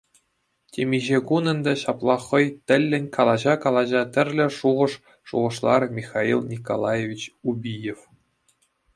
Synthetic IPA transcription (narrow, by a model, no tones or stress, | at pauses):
tʲemʲiʑekunɤ̆nd̪ɘ̆ɕɑplˠɑχɤ̆jt̪ʲɘ̆lʲːɘ̆nʲkɑlˠɑʑɑkɑlˠɑʑɑt̪ʲɘ̆rʲlʲɘ̆ʂuʁɤ̆ʂ | ʂṵʁɤ̆ʂlˠɑrmʲixɑilˠnʲiko̰lˠɑjevʲit͡ɕubʲijef